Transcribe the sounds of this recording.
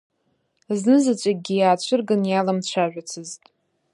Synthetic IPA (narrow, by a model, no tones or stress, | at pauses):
znɨzat͡ɕʷʼaɡʲijaːt͡ɕʷʰɨrɡɨnjalamt͡ɕʷʰaʒʷᶣat͡sʰɨztʼ